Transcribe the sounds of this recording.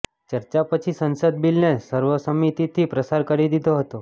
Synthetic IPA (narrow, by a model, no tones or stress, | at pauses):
t͡ʃəɾt͡ʃapət͡ʃʰisənsəd̪̚bilnesəɾʋəsəmit̪it̪ʰipɾəsaɾkəɾid̪id̪ʱoɦət̪o